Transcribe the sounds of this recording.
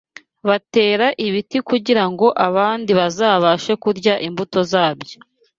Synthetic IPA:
βate̞ːɾaʔiβitikuɟiɾaŋɡo̞ʔaβaːndiβazaːβaʃe̞kuɾɟaʔimbuto̞zaːbjo

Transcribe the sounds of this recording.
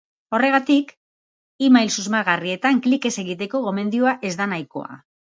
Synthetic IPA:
o̞re̞ɣ̞at̪ik | imajlsuzmaɣarie̞t̪aŋklike̞se̞ɣit̪e̞ko̞ɣo̞me̞nd̪iuaʔe̞zd̪anajko̞̰a̰

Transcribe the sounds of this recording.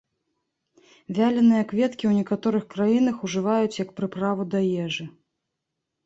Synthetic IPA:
vʲalʲɛnɨjɐkvʲɛt̪kʲiwnʲɛkat̪ɔɾɨxkɾajin̪ɐxuʐɨvajut͡sʲjɐk̚pɾɨpɾavud̪ɐjɛʐɨ

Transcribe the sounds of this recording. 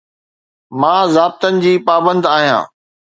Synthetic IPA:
mãːzaːb̚t̪ənɪ̆d͡ʑiːpaːbə̃nd̪aːɦijã̰ː

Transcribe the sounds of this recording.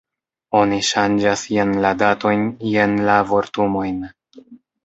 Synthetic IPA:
o̞niʃand͡ʒasjenladato̞jnje̞nlavo̞ɾtumo̞jn

